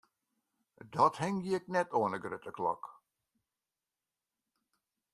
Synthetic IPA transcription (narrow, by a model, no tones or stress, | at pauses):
dɔthɪŋjɪknɛtoənəɡrøtəklɔ̰k